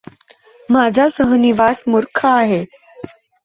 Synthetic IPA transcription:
mad͡zʱasəɦniʋasmuɾkʰaːɦe

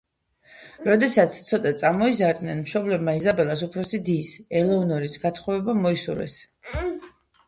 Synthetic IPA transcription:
ɾɔd̪ɛsat̪sʰt̪sʰɔt̪ʼat̪sʼamɔizaɾd̪nɛnmʃɔblɛbmaizabɛlˠasupʰɾɔsid̪iːsɛlˠɛunɔɾisɡat̪ʰχɔvɛbamɔisṵɾɛ̰s

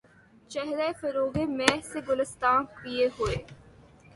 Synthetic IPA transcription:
t͡ʃɛɦɾefəɾoːɡemɛ̃ːseɡʊlɪst̪aːnpijeɦoeː

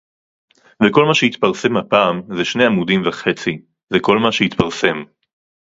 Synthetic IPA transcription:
veko̞lmaʃeit̪paʁse̞mhapaːmzeʃne̞jamudimvaχe̞t͡si | zeko̞lmaʃehit̪paʁse̞m

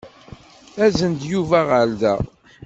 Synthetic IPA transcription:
æzənd̪juvæʁəld̪æ̰

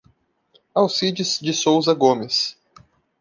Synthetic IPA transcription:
awsid͡ʒɪzd͡ʒɪsowzɐɡõmɪs

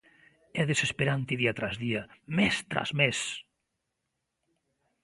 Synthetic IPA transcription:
ɛðesespeɾant̪iðiat̪ɾazðiamest̪ɾa̰zmes

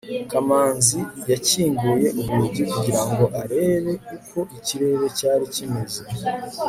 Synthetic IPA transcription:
kamaːnzijaciːŋɡuje̞uβuɟikuɟiɾaŋɡo̞ʔaɾe̞ːβe̞kuko̞ʔiciɾe̞ɾe̞caːɾicimezi

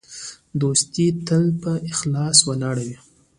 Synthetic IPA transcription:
d̪ost̪it̪əlpəʔɪxlɑswalɑɽawi

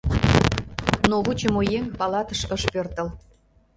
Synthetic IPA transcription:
noβut͡ɕəmojeŋpɑlɑt̪əʃəʃpørt̪ə̆l

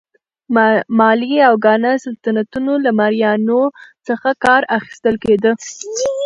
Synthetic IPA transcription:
mɑliawɡɑnəsalt̪anat̪unolamaɾjɑnosəxakɑɾaxi̥st̪əlked̪ə

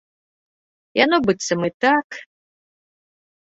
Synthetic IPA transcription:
janɔbɨt̪sɐmɨt̪ak

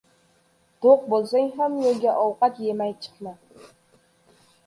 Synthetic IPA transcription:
d̪̥oq̚bolˠsaŋʲɦamjoɡʲaʔɒwqɑt̪jemajt͡ʃʰɨ̥qma

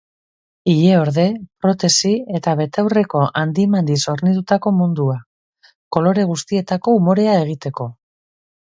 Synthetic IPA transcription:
iʎe̞o̞ɾðe̞pɾo̞t̪e̞sie̞t̪aβ̞e̞t̪awre̞ko̞ʔand̪imand̪iso̞ɾnit̪ut̪ako̞mund̪ua | ko̞lo̞ɾe̞ɣ̞ust̪ie̞t̪ako̞umo̞ɾe̞ae̞ɣ̞it̪e̞ko̞

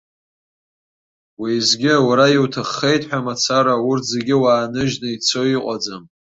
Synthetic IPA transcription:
wizɡʲɪawaɾajiwtʰɨχːejtʼħʷᶣamat͡sʰaɾaʊrtʰzeɡʲɪwaːnɨʒnɨit͡sʰoiqʷʼad͡zam

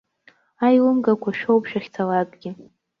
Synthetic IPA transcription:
ajlɨmɡakʷʰaʃᶣowpʰʃᶣaχʲt͡sʰalakʼɡʲɪ

